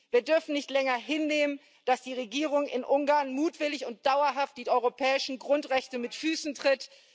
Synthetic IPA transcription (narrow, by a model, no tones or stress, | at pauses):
viːɐdʏɐfn̩nɪçtlɛŋɐɦɪnːeːmən | d̥asd̥iːʁ̞eɡiːʁ̞ʊŋɪnʔʊŋɡaːɐnmuːtv̥ɪlɪçʊnt̚d̥aʊɐɦaft̚d̥iːʔɔʏʁopʰɛːɪʃn̩ɡʁʊntʁɛçtəmɪtfyːsn̩tʁ̥ɪt